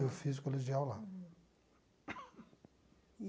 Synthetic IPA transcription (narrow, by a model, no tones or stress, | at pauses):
efizikoloʒiawla